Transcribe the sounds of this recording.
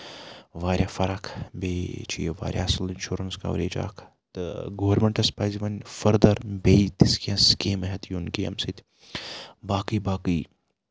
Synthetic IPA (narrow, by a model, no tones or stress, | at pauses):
ʋaːɾʲjafɐɾakʰbeːt͡ʃʰḭjeʋa̰ːɾʲja̰ːslinʃuːɾɐnska̰ʋɾeːd͡ʒa̰ːkʰ | t̪ɡoːɐɾmeɳʈɐspaːjziʋɐnfɐɾd̪ɐɾbeit̪iskʲɐ̃skeːmɐɦɐt̪ʰjunkiɐ̰msit̪ʰʲ | baːkijbaːki